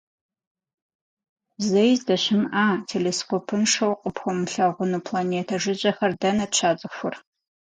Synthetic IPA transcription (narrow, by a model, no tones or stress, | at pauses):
zɐjzdɐɕɪmʔaːtʰeleːskopʰɨnʂɐwqʼəpxʷɔmɬɐʁʷʊnupʰlaneːtʰɐʐɨʑʼɐxɐrdɐnɐtt͡ʃʰaːt͡sʼɨxʷʊr